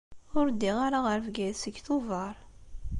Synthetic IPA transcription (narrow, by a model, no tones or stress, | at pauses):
ʊɾd̪ːiʁaɾaʁəɾvɡæjsəɡθʊvɑɾˤ